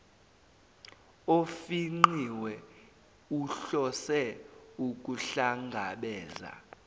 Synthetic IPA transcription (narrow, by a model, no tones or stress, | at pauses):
ofiŋ͡ǃiwɛ | uɬɔsɛuk̬ʼuɬaŋɡʱaɓɛːza̰